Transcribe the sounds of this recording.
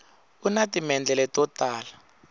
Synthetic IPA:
unatimɛnd͡ɮɛlɛtɔtaːla

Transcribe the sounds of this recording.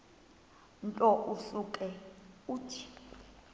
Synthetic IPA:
ntʼɔʔuɬukʼɛuːtʰi̥

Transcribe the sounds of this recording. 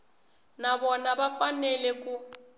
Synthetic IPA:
nabɔnabafanɛlɛkʼu

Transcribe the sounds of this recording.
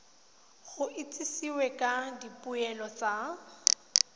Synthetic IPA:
ɣʊʔɪt͡sʼisiwɛkʼadipʼuɛlɔt͡sʼa

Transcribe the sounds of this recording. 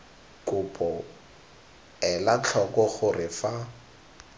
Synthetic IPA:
kʼʊpʰʼɔ | ɛlat͡ɬʰɔkɔχʊrɪfa

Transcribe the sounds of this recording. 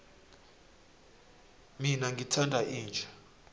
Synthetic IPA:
minaŋɡʱitʰandʱaʔiːnd͡ʒʱa

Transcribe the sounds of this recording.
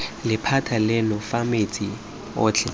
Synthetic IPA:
lɪpʰatʰalɪnʊfamet͡sʼi | ʊːt͡ɬʰɛ

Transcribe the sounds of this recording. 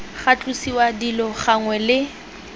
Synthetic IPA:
χat͡ɬʼusiwadilɔχaŋwɛlɪ

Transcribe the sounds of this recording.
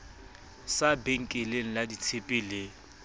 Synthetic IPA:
sabeŋ̩kʼeleŋ̩ladit͡sʰepʼɪlɪ

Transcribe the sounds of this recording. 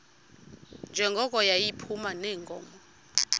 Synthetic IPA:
nd͡ʒʱɛŋɡʱɔk̬ʼɔjajipʰumanɛːŋɡɔ̰ːmɔ

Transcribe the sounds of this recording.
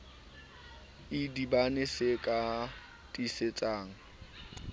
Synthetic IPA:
ɪdibanɪsɪkʼa | tʼiset͡sʼaːŋ̩

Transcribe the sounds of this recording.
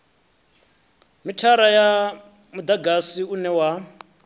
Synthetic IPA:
mitʰaɾaja | mud̪aɡasiunɛwa

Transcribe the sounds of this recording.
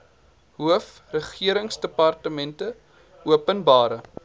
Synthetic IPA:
ɦuəf | rəχiəɾəŋsdəpɐrtəmɛntə | uəpənbɑːɾə

